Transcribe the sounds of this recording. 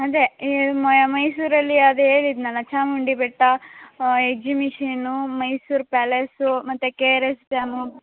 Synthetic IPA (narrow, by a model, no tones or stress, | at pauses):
ɐd̪emjɐmɐjsuːɾɐlːiɐd̪eːɭid̪nɐlɐt͡ʃaːmuɳɖibeʈːɐ | ekd͡ʒimiʂɐnumɐjsuːɾpaːlesumɐt̪ːukeːɾest͡ʃaːmu